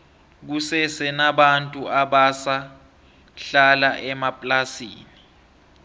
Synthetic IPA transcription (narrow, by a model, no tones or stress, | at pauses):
k̬usɛsɛnaɓantʼuaɓasa | ɬalaʔɛmapʼlasḭːni